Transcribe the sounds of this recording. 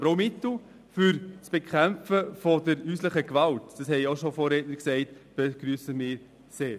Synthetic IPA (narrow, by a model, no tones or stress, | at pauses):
ɾoʊmɪtl̩ | fʏɾsb̥ekʰæmfəfɔdəɾyːsləχəkʋɑltd̥ɑshɛɪoʃofoːɾɛːtnəɾksɛɪtb̥eɡ̥ɾyːsəmɪːɾ | seːɾ